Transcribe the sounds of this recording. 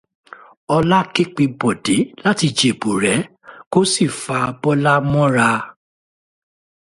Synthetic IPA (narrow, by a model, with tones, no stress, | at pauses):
ɔ˧la˦ke˦k͡pe˧bɔ˨de˨˦la˦ti˧d͡ʒe˨bu˨ɾɛ˨˦ | ko˦si˦˨fa˧bɔ˦la˦mɔ̃˦ɾa˧